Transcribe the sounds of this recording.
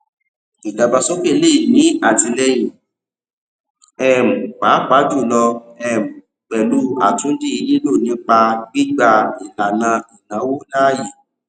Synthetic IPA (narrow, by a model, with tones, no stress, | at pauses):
i˨da˨˧ba˧so˦k͡pe˦˨˧le˦i˦˨nĩ˨˦a˦˨ti˧lɛ˧j̃ĩ˨ | ɛ˦˨m̩˨k͡pa˨˦k͡pa˨˦d͡ʒu˦˨lɔ˧ɛ˦˨m̩˨ | k͡pɛ˨lu˨˦a˨tũ˦di˦i˧li˦lo˦˨nĩ˨˦k͡pa˧ɡ͡bi˦ɡ͡ba˧i˨la˨nã˧i˨nã˨˦wo˦na˦ji˨